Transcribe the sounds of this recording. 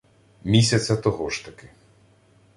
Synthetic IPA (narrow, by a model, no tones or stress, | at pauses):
mʲisʲɐt͡sʲːɐt̪ɔɦɔʃt̪ɐkɪ